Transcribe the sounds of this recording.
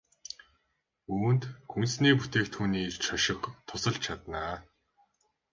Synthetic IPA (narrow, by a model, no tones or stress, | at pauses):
uːnt̪xunsniːput̪eːk̚t̪ʰːuːniːt͡ɕʰɔʃɪ̆kt̪ʰʊsə̆ɮt͡ɕt͡ɕʰat̪naː